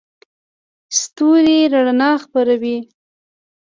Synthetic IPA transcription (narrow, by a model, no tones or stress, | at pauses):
st̪uɾiɾaɽanɑxpaɾawi